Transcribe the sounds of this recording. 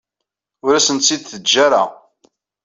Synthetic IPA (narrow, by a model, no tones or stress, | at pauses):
ʊɾæsənt̪sid̪θəd͡ʒːaɾa̰